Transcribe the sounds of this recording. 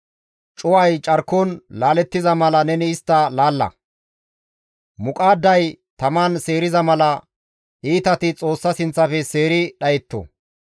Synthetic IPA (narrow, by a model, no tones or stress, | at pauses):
t͡ʃʼʊwɐjt͡ʃʼɐɾkːɔnlaːlɛt̪ːɪzɐmɐlɐnɛnɪːst̪ːɐlaːlːɐ̰ | mʊkʼaːd̪ːɐjt̪ɐmanse̞ːɾɪzɐmɐlɐ | ʔiːt̪ɐt̪ɪt͡sʼo̞ːsːɐsɪnt͡sːɐfɛse̞ːɾɪɗɐjɛt̪ːɔ̰